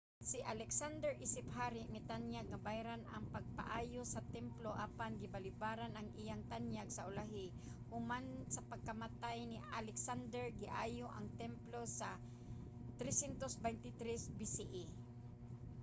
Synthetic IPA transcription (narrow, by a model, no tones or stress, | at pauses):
sɪʔalɛksand̪ɛɹʔisɪpɦaɾɪmɪt̪anjaɡ̚nɐbajɾanʔɐ̰ŋpɐɡ̚pa̰ʔaːjosɐt̪ɛmploʔaːpanɡɪbalɪbaːɾanɐŋʔijaŋt̪anjaɡsɐʔʊlaɦɪ | ʔʊmansɐpɐɡ̚kɐmat̪ajnɪalɛksand̪ɛɹɡɪʔaːjoʔaŋt̪ɛmplosa | t̪ɾɛsjɛnt̪osbɛjnt̪ɪt̪ɾɛsbisiʔi